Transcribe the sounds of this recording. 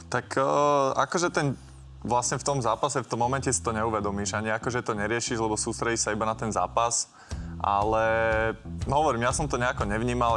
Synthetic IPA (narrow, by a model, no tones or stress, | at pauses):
t̪akakɔʒɛt̪ɛn | ʋlasɲɛft̪ɔmzaːpasɛft̪ɔmːɔmɛncɛsi̥t̪ɔɲɛuʋɛd̪ɔmiːʒaɲiakɔʒɛt̪ɔɲɛɾɪɛʃiʒlɛbɔsuːst̪ɾɛɟiʃsaibanat̪ɛnza̰ːpas | ʔa̰lɛ | ɦɔʋɔɾimjasɔmt̪ɔɲɛakɔɲɛʋɲiːmal